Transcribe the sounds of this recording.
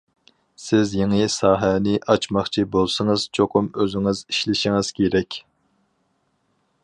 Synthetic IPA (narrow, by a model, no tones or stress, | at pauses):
sɪzjeŋɨsɑːɦɛnɪʔɑt͡ʃmɑχt͡ʃʰibolˠsɨŋɨz̥t͡ʃʰoqʰʊmøzɪŋɪziʃlɪʃiŋɨz̥kʲʰeɾɛkʲ